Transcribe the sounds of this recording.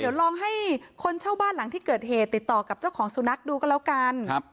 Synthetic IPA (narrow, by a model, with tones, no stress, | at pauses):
di˩˦wlɔː˧ŋɦa˥˩jkʰo˧nt͡ɕʰaː˥˩wbaː˥˩nla˨˩˦ŋt̪ʰiː˥˩kɤː˨˩t̪̚heː˨˩t̪ːi˨˩t̪ːɔː˨˩ka˨˩p̚t͡ɕa˥˩wkʰɔː˩˦ŋsu˨˧˦na˦˥k̚duː˧kɔː˥˩lɛ˦˥wka˧n˦˧